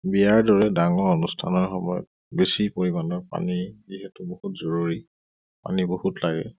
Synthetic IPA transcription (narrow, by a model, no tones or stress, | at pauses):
bijaɹdɔɹɛdaŋɔɹonustʰanɔɹxɔmɔjɔ̰t̚ | besipoɹibanɔɹpa̰niziɦɛtʊbohutzoɹuɹi | pa̰nibohutlaɡɛ̰